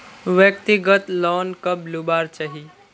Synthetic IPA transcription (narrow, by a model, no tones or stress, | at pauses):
ʋjəkt̪iɡət̪lɔːnkəblubaːɾt͡ʃaɦi